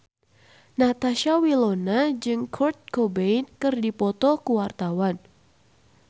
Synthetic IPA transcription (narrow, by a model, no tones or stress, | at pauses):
nat̪aʃawilonad͡ʒɨŋkʰɔrt̪̚kobejnkɨrdipɔt̪ɔkəwart̪awan